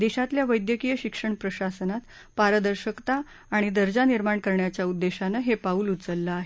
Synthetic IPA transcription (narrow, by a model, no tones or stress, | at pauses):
d̪eɕat̪ljaʋəjd̪jəkijəɕikʂəɳpɾəɕasənat̪ | paɾəd̪əɾɕəkt̪aː | ɽ̃id̪əɾd͡ʑaniɾmaɳkəɾɳjat͡ɕjaud̪ːeɕanəɦepauːlut̪t͡səlːaːɦe